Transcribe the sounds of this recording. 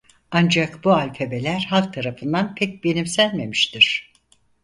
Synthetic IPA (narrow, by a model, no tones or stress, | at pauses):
and͡ʒakbualʲfe̞be̞lʲæɾhalˠk̚t̪ʰaɾafɯnd̪anpʰɛc̚be̞nimsælʲme̞miʃt̪iɾ̝̥